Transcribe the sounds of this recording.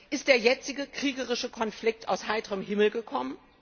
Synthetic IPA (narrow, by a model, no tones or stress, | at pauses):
ʔɪstd̥eːɐjɛt͡sɪɡəkʁ̥iːɡəʁɪʃəkʰɔnflɪk̚ta̰ʊshaɪtəʁəmhɪml̩ɡəkʰɔmən